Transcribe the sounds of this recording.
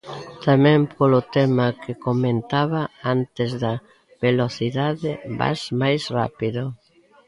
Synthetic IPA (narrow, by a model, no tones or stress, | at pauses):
t̪amɛ̃mpʰolʊt̪ɛmɐkʰɪkomẽnt̪aβɐant̪ɪzðɐ | βeloθiðaðɪba̰smajsra̰piðʊ